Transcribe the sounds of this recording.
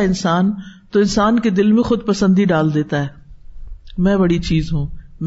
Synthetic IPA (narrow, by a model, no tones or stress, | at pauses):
ɪnsaːnt̪oɪnsaːnked̪ɪlmẽxʊd̪̚pɐsə̃nd̪iɖaːld̪eːt̪aɦɛː | mɛ̃ːbɐɽit͡ʃiːzɦũːm